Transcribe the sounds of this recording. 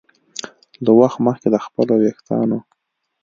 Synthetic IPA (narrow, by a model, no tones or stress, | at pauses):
lawaxt̪məxked̪əxpəlowext̪ɑ̰no